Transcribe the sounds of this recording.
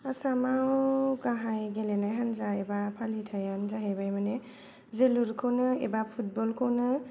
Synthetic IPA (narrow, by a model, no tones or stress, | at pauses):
asamawɡaɦajɡelenajɦanzaebapʰalitʰajanzaɦebajmane | zeluɾkʰɯwnɯḛbapʰut̚bɔlkʰɯwnɯ